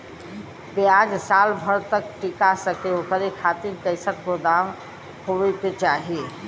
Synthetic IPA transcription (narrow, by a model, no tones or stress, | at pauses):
pead͡ʒsaːlbʱəɾt̪ək̚ʈikasəkeokəɾekʰat̪iɾkəɪsət̪kod̪am | hoʋket͡ʃaːɦie